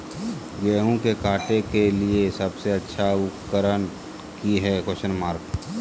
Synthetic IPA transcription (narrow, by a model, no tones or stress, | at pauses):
ɡɛːɦũkekaːʈekeliesəbseɐtːʃʰaʊkəɾən | kiɦɛkoʃənmaːɾk